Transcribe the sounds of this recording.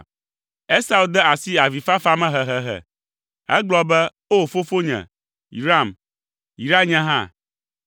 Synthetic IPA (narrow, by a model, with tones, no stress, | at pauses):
e˦sa˦˨u˨d̪ɛ˦a˨si˦a˨vi˨fa˦fa˦mɛ̃˦ɦɛ˨ɦɛ˨ɦɛ̰˨ | ɛ̰˦ɡ͡blɔ˦bɛ˦ | o˦fo˦fo˦ɲɛ̰̃˨ | ḭ˨ɾa˦˨m | i˨ɾa˦ɲɛ̃˦ɦã̰˦˨